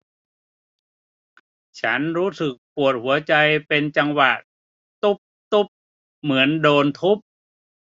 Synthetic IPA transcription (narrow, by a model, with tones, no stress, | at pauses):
t͡ɕʰa˦˥nɾuː˦˥sɯ˨˩k̚pu˨˩ət̪̚hu˩˦ɐt͡ɕa˧jpe˧nt͡ɕa˧ŋwa˨˩ | t̪u˦˥p̚t̪u˦˥p̚ | mɯ˩˦əndoː˧nt̪ʰu˦˥p̚